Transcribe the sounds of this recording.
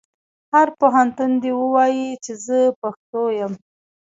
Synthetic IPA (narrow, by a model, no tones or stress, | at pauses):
haɾpoɦant̪und̪ewəwɑjit͡ʃezəpaxt̪ojəm